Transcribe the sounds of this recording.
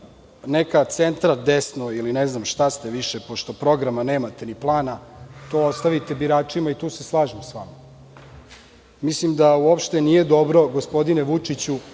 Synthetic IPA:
nekat̪sent̪ɾad̪esnoilineznamʃt̪ast̪eʋiʃepoʃt̪o̞pɾo̞ɡɾamaneːmat̪e̞niplˠaːnat̪o̞ːost̪aʋit̪e̞biɾaːt͡ʂimait̪uːse̞slˠaːʒimsʋa̰ma | mislimd̪auopʃt̪e̞nije̞d̪o̞bɾo̞ɡospo̞d̪ineʋut͡ʂit͡ɕu

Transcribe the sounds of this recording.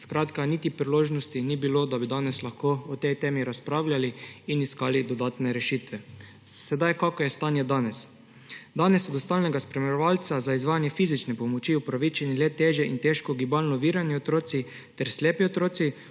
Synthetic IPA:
skɾaːt̪kanit̪ipɾiloːʒnɔst̪inibilod̪abid̪aːnɛslaxkoːɔt̪ɛjt̪eːmiɾaspɾaːwljaliiniskaːlid̪ɔd̪aːt̪nɛɾɛʃiːt̪ʋɛ | sɛd̪ajkakɔjɛst̪anjɛd̪aːnɛs | d̪anɛsɔd̪ɔst̪alnɛɡaspɾɛmɛɾɛʋalt̪sazaizʋaːjanjɛfiːzit͡ʃnɛpɔmɔt͡ʃiupɾaʋit͡ʃɛnɛlɛt̪eʒɛʔint̪eʃkɔɡibalnɔʋiːɾanjɛot̪ɾoːt̪si | t̪ɛɾslʲeːpiot̪ɾoːt̪si

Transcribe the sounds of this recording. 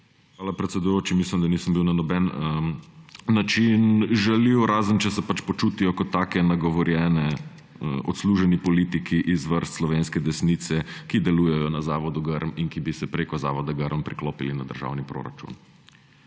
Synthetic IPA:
xʋaːlapɾɛt̪sɛd̪ujoːt͡ʃimislimd̪anisəmbiwnanɔbɛnəː | at͡ʃinʒɛliwɾaːzənt͡ʃɛsɛpat͡ʃpɔt͡ʃuːt̪ijɔkɔt̪ːaːkɛnaɡɔʋɔɾjɛːnɛ | ɔ̰t̪sluːʒɛnipɔlit̪ikʰiʔizʋəɾst̪slɔʋenskɛd̪ɛsnit̪sɛkid̪ɛluːjɛjɔnazaːʋɔd̪uɡəɾminkibisɛpɾeːkɔza̰ːʋɔd̪aɡəɾmpɾikloːpilinad̪əɾʒa̰ːwnipɾo̰ːɾa̰t͡ʃṵn

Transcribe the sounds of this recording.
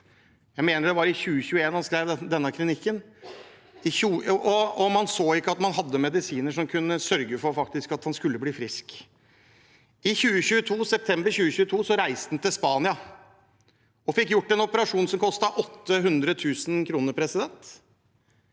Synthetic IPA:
jæɪmeːnəɖ̪ɛʋɑɾɪçʉːəçʉəeːnhɑnskɾeɪʋd̪ɛnːəkʰɾɪnɪkːən | ɪçuːʔɔɔmɑnsoːɪkːəɑt̪mɑnɦɑd̪ːəmɛd̪ɪsiːnəʂɔmkʰʉnəsœɾɡəfɔɾfɑk̚t̪ɪskɑt̪hɑnskʉlːəbliːfɾɪsk | ɪçʉːəçʉːət̪ʰuːsɛp̚t̪ʰɛmbəɾçʉːəçʉːət̪ʰuːsɔɾæɪsd̪n̩t̪ɪlspɑːnɪɑ | ɔfɪkːjʊʈːɛnɔpəɾɑʂuːnsɔmkʰɔst̪ɑʔɔt̪ːəɦʉnd̪ɾət̪ʰʉːsn̩kʰɾuːnəɾpʰɾɛsɪd̪ɛnt̪

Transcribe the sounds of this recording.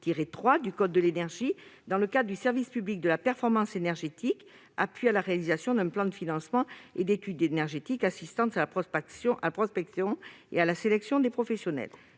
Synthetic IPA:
t̪iʁet̪χwad̪ykɔd̪ːəlenɛʁʒid̪ɑ̃ləkad̪ʁəd̪ysɛʁvispyblik̚d̪əlapɛʁfɔʁmɑ̃senɛʁʒet̪ik | apɥialaʁealizasjɔ̃d̪ɛ̃plɑ̃d̪əfinɑ̃smɑ̃ed̪et̪yd̪enɛʁʒet̪ikasist̪ɑ̃salapɔksjɔ̃ʔalapχɔspɛksjɔ̃ḛalaselɛksjɔ̃d̪epχɔfɛsjɔnɛ̰l

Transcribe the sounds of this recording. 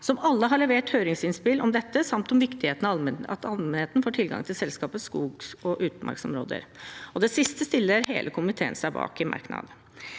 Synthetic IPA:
sɔmɑlːəɦɑɭɛʋeːʈhøːɾɪŋsɪnspɪlʔɔmd̪ɛt̪ːəsɑmt̪ɔmʋɪkt̪ɪheːt̪ənɑ̰t̪ɑlmɛnheːt̪nfoːʈʰɪlɡɑ̰ŋt̪ʰɪlsɛlskɑːpəskuːɡsɔʔʉːt̪mɑ̰ɾksɔmɾo̰ːd̪ə̰ɾɔd̪ɛsɪst̪əst̪ɪlːəɾhḛːlʔəkʰʊmɪt̪ʰeːə̰nsæɪbɑ̰ːkɪmɑ̰ɾknɑ̰d̪

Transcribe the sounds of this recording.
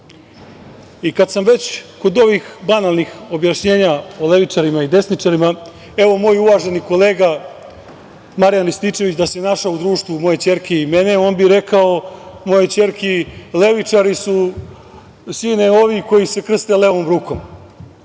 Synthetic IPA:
ikad̪samʋe̞t͡ɕko̞d̪o̞ʋixbanalnixo̞bjaʃɲe̞ːɲao̞le̞ʋit͡ʃaɾimaid̪e̞snit͡ʂaɾima | e̞ʋo̞mo̞ːjuʋaːʒe̞nikoleːɡa | maɾijanlist̪it͡ʃe̞ʋit͡ɕd̪asenaʂaud̪ɾuːʂt̪ʋumo̞jet͡ɕe̞ɾkiːmeneo̞ːnbiɾe̞kao̞mo̞jet͡ɕe̞ɾkile̞ʋit͡ʂaɾisu | siːneo̞ʋiko̞jise̞kr̩st̪e̞leʋo̞mɾuːko̞m

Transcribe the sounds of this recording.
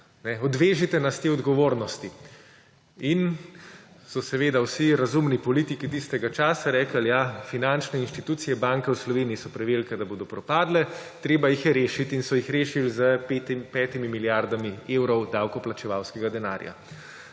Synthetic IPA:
nɛɔd̪ʋeːʒit̪ɛnast̪eːɔd̪ɡɔʋoːɾnɔst̪i | in | sɔsɛʋeːd̪awsiɾazumnipɔliːt̪ikit̪ist̪ɛɡat͡ʃaːsaɾɛːkəljafinant͡ʃnɛinʃt̪it̪uːt̪sijɛbaŋkɛwslɔʋeːnijisɔpɾɛʋeːlkɛd̪aboːd̪ɔpɾɔpaːd̪lɛt̪ɾeːbajixjɛɾeːʃit̪insɔjixɾeːʃilzəpɛːt̪imimiljaɾd̪amiewɾɔwd̪awkɔplat͡ʃɛʋawskɛɡad̪ɛna̰ːɾja̰

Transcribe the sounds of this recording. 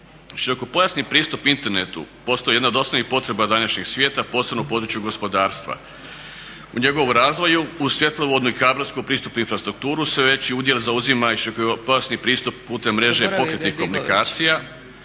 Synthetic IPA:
ʃiɾo̞ko̞po̞jasnipɾiːst̪upint̪e̞ɾnet̪ṵpo̞st̪oeje̞d̪naod̪o̞sanipo̞t̪ɾe̞bad̪anaʃɲeɡsʋje̞ːt̪apo̞ːse̞bnopo̞ːd̪ɾut͡ʃjuɡo̞spo̞d̪aːɾst̪ʋa̰ | uɲe̞ɡo̞ʋoɾaːzʋo̞juusʋje̞t̪lˠoʋo̞d̪nuikaːbɾaskupɾiːst̪upnuinfɾast̪ɾuk̚t̪uːɾusʋe̞ʋe̞t͡ɕiud̪je̞lzauzimaiʃiɾokopo̞jasnipɾiːst̪upːuːt̪e̞mːɾe̞ʒe̞po̞kɾet̪nixko̞munikaːt̪sija

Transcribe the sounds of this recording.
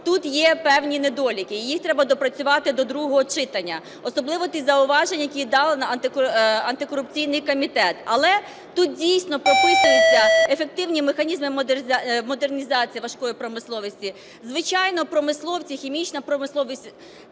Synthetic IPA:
t̪ut̪jɛpɛwnʲined̪ɔlʲikɪjixt̪ɾɛbɐd̪ɔpɾɐt͡sʲʊʋɑt̪ɪd̪ɔd̪ɾuɦɔɦɔt͡ʃɪt̪ɐnʲːɐ | ɔsɔblˠɪʋɔt̪izɐʊʋɑʒenʲjɐkʲid̪ɑlˠɪnɐɐnt̪ɪɐnt̪ɪkɔɾʊp̚t͡sʲijnɪjkɔmʲit̪ɛt̪ɐ̰lˠɛ | t̪ut̪̚dʲijsʲnɔpɾɔpɪsʊjit͡sʲːɐefek̚t̪ɪwnʲimexɐnʲizmɪmmɔd̪ernʲizɑt͡sʲijiʋɐʃkɔjipɾɔmɪslˠɔʋʲisʲtʲi | zʋɪt͡ʃɑjnɔpɾɔmɪslˠɔwt͡sʲixʲimʲit͡ʃnɐpɾɔmɪslˠɔʋʲisʲ

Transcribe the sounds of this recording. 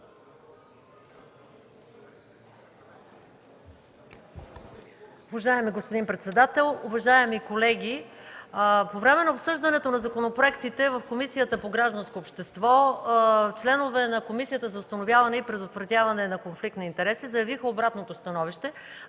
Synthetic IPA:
uvɐʒaɛmiɡospod̪inpɾɛt̪sɛd̪at̪ɛlˠuvɐʒaɛmikolɛɡ̟ʲi | povɾɛmɛnɐopsɤʒd̪ɐnɛt̪onɐzɐkonopɾoɛkt̪it̪ɛvɐfkomisijət̪əpoɡɾaʒd̪ɐnskoːpʃt̪ɛst̪vɔ | t͡ʃlɛnovɛnɐkomisijət̪əzɐʊst̪ɐnovʲjavɐnɛipɾɛd̪ot̪vɾɐt̪ʲavɐnɛnɐkonflikt̪nɐint̪ɛɾɛsizɐjɐvixəobɾat̪not̪ost̪ɐnɔviʃt̪ɛ

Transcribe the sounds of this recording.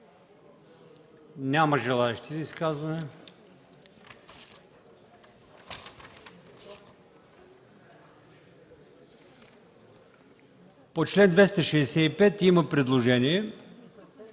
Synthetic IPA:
nʲaməʒɛlˠaɛʃt̪izɐiskazvɐnɛ | pot͡ʃlɛnd̪vɛst̪əʃɛsɛipɛt̪iməpɾɛd̪lˠoʒɛniɛ

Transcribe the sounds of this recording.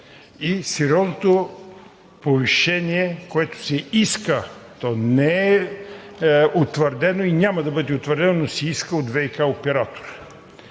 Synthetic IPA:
isɛɾjɔznot̪o | poviʃɛniɛkoɛt̪ʊ̥sɛiskət̪ɔnɛɛ | ot̪vəɾd̪ɛnoinʲamɐd̪ɐbɤd̪ɛot̪vəɾd̪ɛnonosɛiskəod̪vɛjikaopɛɾat̪o̥ɾ

